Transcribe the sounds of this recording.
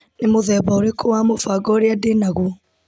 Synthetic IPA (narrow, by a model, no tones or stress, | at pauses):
nemoðɛβaoɾekʰowaːmofaɡɔɾeadenaɣu